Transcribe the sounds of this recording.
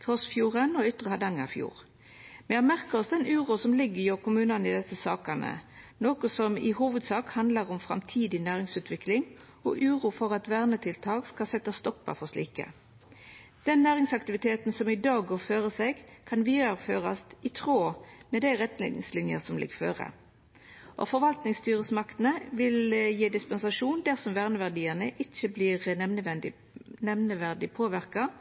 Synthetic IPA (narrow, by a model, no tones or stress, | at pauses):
kʰʁɔsfjuːʁənɔʏt̪ːʁəhɑd̪ɑŋːəʁɪfjṵːʁ | mɛɑmæʁkəʁɔsd̪ɛnʉːʁuːsɔmlɪɡəjoːʁkʰʊmʉːnɑnəɪd̪ɛsəsɑːkɑnə̰noːkɔsɔmɪ̰huːʋəd̪sɑːkhɑnd̪lɑʁɔmfʁɑ̰mt̪ʰiːd̪ɪnæːʁɪŋsʉːt̪ʋɪklɪŋ | ɔ̰ʔʉːʁuːfɔʁɑt̪ʋæːʁnət̪ʰɪlt̪ʰɑːkskɑsɛt̪ːɑst̪ɔpːɑ̰fɔʂlḭːkə̰ | d̪̥ɛnːæːʁɪŋsɑkt̪ɪʋɪt̪ʰeːt̪nsɔmɪd̪ɑːɡɡoːføːʁəseːɡkʰɑnʋiːɑʁføːʁɑst̪ɪt̪ʰʁoːmɛd̪æɪʁɛt̪ːlḛːnɪ̰ŋslɪnjəʁsɔmlɪ̰ɡfø̰ːʁə̰ | ʔɔ̰fɔʁʋɑlt̪nɪŋst̪yːʁəsmɑkt̪n̩əʋɪljiːd̪ɪspɛnsɑʂuːnd̪æʁsɔmʋæːʁnəʋæʁd̪iːəʁnəʔɪçːəbliːʁɛəʋɛnd̪ɪ | nɛmnəʋæʁd̪ɪpʰoːʋɪʁkɑ